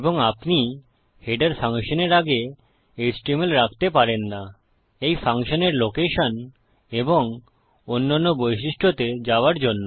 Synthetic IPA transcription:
eboŋapni | heɖaɾfaŋʃoneɾaɡe | esʈimelɾakʰt̪epaɾenːa | ejfʰaŋʃoneɾlokeʃon | eboŋ | onːanːobojʃ̬iʃʈʰot̪ed͡ʑaoaɾd͡ʑonːo

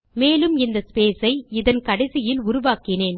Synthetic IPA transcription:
meːlɯmɪnd̪ɐspeːsɐɪɪðɐnkɐɽɛsɪjɪlʊɾʊʋaːkɪneːn

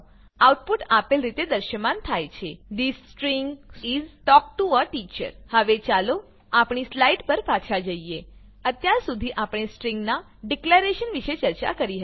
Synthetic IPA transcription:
awʈpuʈapelɾit̪ed̪əɾʃəmant̪ʰajt͡ʃʰeɖisʈɾiŋɡsizʈɔk̚ʈuəʈit͡ʃə̰ɾhəʋet͡ʃalo | apɳ̃islaiʈpəɾpat͡ʃʰad͡ʒəie | ət̪jaɾsud̪ʱiʔapɳ̃esʈɾĩŋɡna | ɖɪkleɾeʃənʋiʃet͡ʃəɾt͡ʃa̰kəɾiɦə

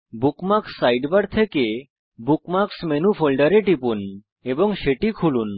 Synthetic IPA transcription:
bukmaksːajɖbaɽt̪ʰeke | bukmaksmenufʰolɖaɾeʈipun | eboŋʃeʈikʰulun

